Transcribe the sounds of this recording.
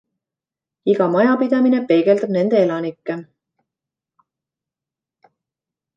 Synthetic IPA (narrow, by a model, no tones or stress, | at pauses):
iɡɑmɑjɑpid̪̥ɑmine̞pe̞ːɡ̥e̞ld̪ɑb̥̚ne̞nd̪̥e̞elɑnikːe